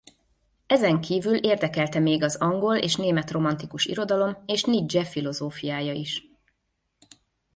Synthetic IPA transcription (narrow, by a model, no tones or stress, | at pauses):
ɛzɛŋkʰiːvylʔeːrd̪ɛkɛlt̪ɛmeːɡɒzɒŋɡo̞lḛːʃneːmɛt̪ro̞mɒn̪t̪ikuʃḭɾo̞d̪ɒlo̞meːʃnid͡ʒɛfilo̞zoːfijaːjɒiʃ